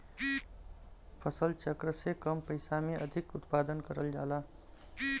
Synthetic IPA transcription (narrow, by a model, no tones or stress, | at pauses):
pʰəsəlt͡ʃəkɾəsekəmpəɪsameʔə̰d̪ʱikut̪pad̪ənkəɾəld͡ʒa̰la